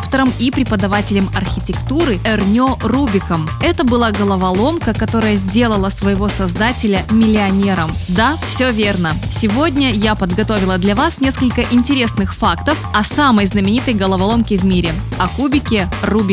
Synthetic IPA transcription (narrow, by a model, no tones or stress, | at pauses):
pt̪əɾəmipɾʲɪpəd̪ɐvatʲɪlʲɪmɐrxʲɪtʲɪkt̪uɾɨɛrnʲorubʲɪkəm | ɛt̪əbɨlˠaɡəlˠəvɐlˠo̞mkəkɐt̪o̞ɾəjəzʲdʲe̞lˠəlˠəsvəjɪvo̞sɐzd̪atʲɪlʲəmʲɪlʲɪɐnʲe̞ɾəmd̪afsʲovʲe̞rnəsʲɪvo̞dʲnʲəjapəd̪ɡɐt̪o̞vʲɪlˠəd̪lʲɐvasnʲe̞skəlʲkəʔɪnʲtʲɪɾʲe̞snɨxfakt̪əfɐsaməjznəmʲɪnʲit̪əjɡəlˠəvɐlˠo̞mkʲɪvmʲiɾʲɪ | ɐkubʲɪkʲɪrubʲɪ